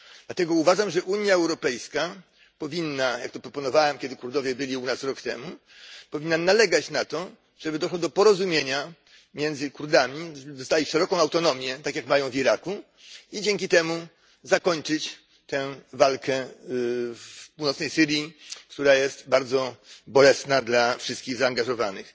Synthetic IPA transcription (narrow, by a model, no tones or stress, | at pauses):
d̪̥lat̪ɛɡɔuvaʐamʐɛʔuɲjaɛwɾɔpɛjska | pɔvʲinːaja̰k̚t̪ɔpɾɔpɔnɔvawɛmkʲɛd̪ɘkuɾd̪ɔvʲjɛbɘlʲiunasɾɔkt̪ɛmu | pɔvʲinːanalɛɡat͡ɕnat̪ɔ | ʐ̥ɛbɘd̪ɔʂwɔd̪ɔpɔɾɔzumʲjeɲa | mʲjɛnd̪zɘkuɾd̪amʲiʐbɘd̪ɔst̪alʲiʂɛɾɔkɔ̃w̃awt̪ɔnɔmʲjɛt̪akʲjakmajɔ̃w̃viɾaku | id͡ʑɛŋkʲit̪ɛmu | zakɔɲt͡ʂɘt͡ɕ | t̪ɛ̃valkʰɛ | puwnɔt̪nɛjsɘɾʲjikt̪uɾajɛst̪baɾd̪zɔbɔlɛsnad̪lafʂɘst̪kʲiɣzaːŋɡaʐɔvanɘx